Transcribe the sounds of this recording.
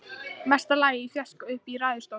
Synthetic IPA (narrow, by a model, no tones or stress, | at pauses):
mɛst̪alaːjɪifjaskaʏhpiɾaːðʏ̥st̪ow